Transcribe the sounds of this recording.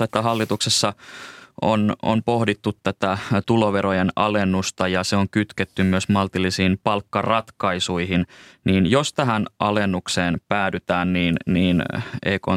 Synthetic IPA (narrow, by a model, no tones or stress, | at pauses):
et̪ːæɦɑlːit̪uksesːɑʔo̰no̰mpo̞hdit̪ːut̪tæt̪æt̪uloʋeɾojenɑ̰lenːust̪ɑjɑseoŋkyt̪ket̪ːymmyøsmɑlt̪ilːisiːmpɑlkːɑrɑt̪kɑisuiɦinniːnjost̪æɦænʔɑ̰lenːukseːnpæːdyt̪æːnniːnniːnḛiko̰